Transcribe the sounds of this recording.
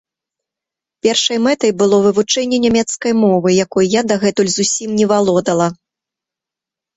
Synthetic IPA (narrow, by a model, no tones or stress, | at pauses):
pʲɛrʂɐjmɛt̪ɐjbɨlˠɔvɨvut͡ʂɛnʲːɛnʲamʲɛt̪skɐjmɔvɨjakɔjjad̪ɐɣɛt̪ulʲzusʲimnʲɛvalˠɔd̪ɐlˠɐ